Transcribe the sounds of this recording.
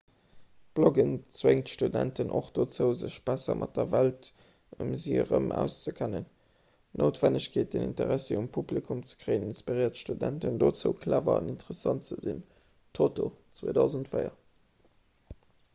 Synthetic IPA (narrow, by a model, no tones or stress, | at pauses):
b̥loɡənt͡sweŋtʃtudæntʰənʔoχd̥ot͡səʊzəɕb̥æsɐmʔɑt̚dɐvælt | umziːəʁəmʔæ̰ʊst͡səkʰænən | nʔoʊtv̥ænəɕkʰeːt̚d̥enḭntəʁæseumpʰublikʰumt͡sə̥kʁ̥əɪəninspiʁiɪɐtʃtudæntəndoːt͡səʊkʰlaːvɐɑnintəʁəsɑntt͡səzḭn | tʰotot͡swoːdaʊzntfɜɪjɐ